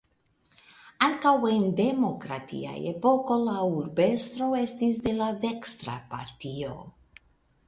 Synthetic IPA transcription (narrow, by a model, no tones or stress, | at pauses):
aŋkawe̞nd̪e̞mo̞kɾat̪ḭa̰jepo̞ko̞lauɾbest̪ɾo̞e̞st̪isd̪e̞lade̞kst̪ɾa̰pa̰ɾt̪io̰